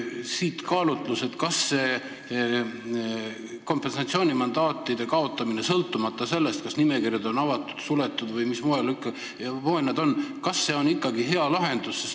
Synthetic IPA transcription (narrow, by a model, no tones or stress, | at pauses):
siːt̪kɑːlut̪ˑluse̞t̪kɑsːe̞ | ko̞mpe̞nsɑt̪sio̞ːnʲimɑnd̪̥ɑːt̪ːˑid̪e̞kɑo̞t̪ˑːɑmine̞sɤlt̪ːˑumɑt̪ːˑɑse̞lːe̞st̪̚kɑsnime̞kirjɑd̪o̞nɑvɑt̪ːˑud̪̥sule̞t̪ːˑud̪vɤjmismoelikːˑɑ | voenːɑd̪o̞nkɑsːe̞ːo̞nikˑːɑɡiɦe̞ɑlɑɦe̞nd̪̥usːes